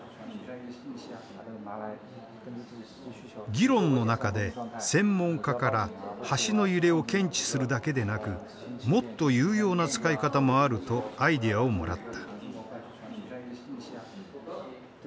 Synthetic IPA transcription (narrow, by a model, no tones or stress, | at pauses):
ɡʲiɾõ̞nːo̞nakad̪e̞sẽ̞mːõ̞ŋkakaɾahaɕino̞jɯɾe̞o̞kẽ̞ɲ̟t͡ɕi̥sɨɾɯ̟d̪ake̞d̪e̞nakɯ̟ | mo̞t̪ːo̞jɯ̟ːjo̞ːnat͡sɨ̥kaikat̪amo̞aɾɯ̟t̪o̞aid̪eao̞mo̞̰ɾa̰t̪ːḁ